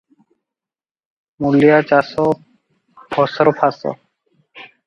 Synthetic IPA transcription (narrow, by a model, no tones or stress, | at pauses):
mulijat͡ʃasɔ | bʱɔsɔɾɔpʰasɔ̰